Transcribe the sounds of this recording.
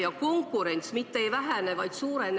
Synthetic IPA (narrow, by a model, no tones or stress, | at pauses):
jɑko̞ŋkːˑuɾe̞nʲt̪smit̪ːeejvæɦænevɑjd̪̥suːɾe̞n